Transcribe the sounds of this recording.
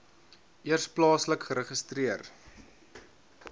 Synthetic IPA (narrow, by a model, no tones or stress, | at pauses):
ʔiərsplɑːsləkχəɾəχəstriər